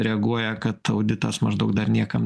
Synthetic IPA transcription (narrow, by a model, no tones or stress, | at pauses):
ɾʲɛɐɡuɔjɛkɐt̪ɐʊd̪ʲɪt̪ɐsmɐʒd̪ɐʊk̚d̪ɐrnʲiɛkɐm